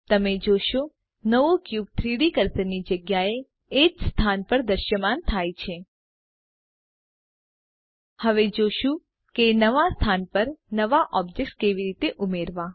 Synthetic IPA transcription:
t̪əmed͡ʒoʃo | nəʋokjub̚t̪ʰɾiɽikəɾt̪ənid͡ʒəɡjaeː | d͡ʒst̪ʰanpəɾd̪əɾʃəmant̪ʰajt͡ʃʰe | həʋed͡ʒoʃũ | kenəʋast̪ʰanpəɾnəʋaʔɔb̚d͡ʒek̚ʈkeʋiɾit̪eʔumeɾʋa

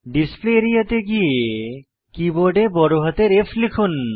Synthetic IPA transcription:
ɖispleɾijət̪eɡie | kiboɖebɔɾoɦət̪eɾepʰlikʰun

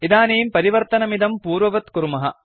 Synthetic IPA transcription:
id̪aːneːmpɐɾiʋɐɾt̪ɐnɐmid̪ɐmpuːɾʋɐʋɐt̪kuɾmɐɦɐ̰

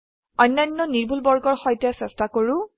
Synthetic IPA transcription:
ɔjnːanːɔniɹbʱulbɔɹɡɔɹxɔjtɛsɛstakoɹʊ

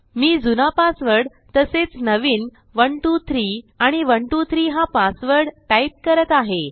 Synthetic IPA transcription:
miːd͡zunapasʋəɽ | t̪əset͡snəʋiːn | ʋəɳʈut̪ʰɾiːaɽ̃iʋəɳʈut̪ʰɾiːɦapasʋəɽʈajp̚kəɾət̪aɦe

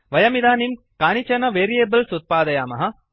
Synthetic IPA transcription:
ʋɐjɐmid̪aːnim | kaːnit͡ʃɐnɐʋeːɾieːbəlsut̪̚paːd̪ɐjaːmɐɦɐ

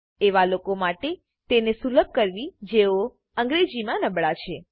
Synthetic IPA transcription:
eʋalokomaʈe | t̪enesuləb̚ʱkəɾʋid͡ʒeo | əŋɡɾed͡ʒimãnəbɭat͡ʃʰe

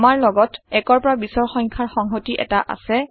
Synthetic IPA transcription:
maɹlɔɡɔtɛkɔɹpɔɹabisɔɹxɔŋkʰaɹxɔŋɦotiʔɛ̰taʔa̰sɛ

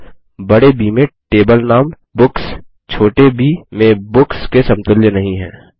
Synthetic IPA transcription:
bɐɽebiːmẽʈeːbəlnaːm | bʊks | t͡ʃʰoːʈebiːmẽbʊkskesɐ̃mt̪ʊljənɐɦĩɦɛ̰̃ː

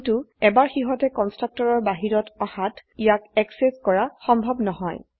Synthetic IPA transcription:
tuɛbaɹxiɦɔtɛkɔnstɹak̚tɔɹɔɹbaɦiɹɔtɔhatijakɛkseskɔɹaxɔmbʱɔbnɔɦɔj

